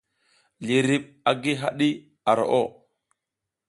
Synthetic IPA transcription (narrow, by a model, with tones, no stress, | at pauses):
li˨ɾi˨ɓ̚ | a˨ɡi˦ɦa˦ɗi˦ | a˨ɾo̰˨ʔo˦˨